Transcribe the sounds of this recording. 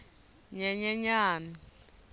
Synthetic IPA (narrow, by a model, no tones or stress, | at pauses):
ɲɛɲɛɲaːni